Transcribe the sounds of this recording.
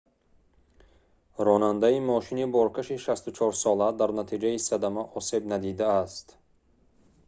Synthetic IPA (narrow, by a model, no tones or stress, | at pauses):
ɾɔnand̪aimɔʃinibɔɾkʰaʃiʃast̪ut͡ʃʰɔɾsɔlad̪aɾnat̪ʰid͡ʒaisad̪amaʔɔse̞bnad̪id̪aːst̪